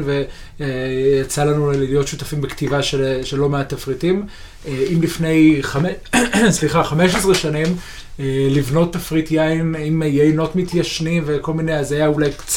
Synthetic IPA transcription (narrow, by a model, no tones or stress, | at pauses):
nve | jat͡salanulijo̞tʃutafimbektivaʃeʃelo̞meat̪afʁitim | eimlifne̞jχamesliχaχameʃesʁeʃanim | elivno̞tːafʁitjaimimjeino̞tmitjaʃnimve̞ko̞lminejazajaulajkt͡s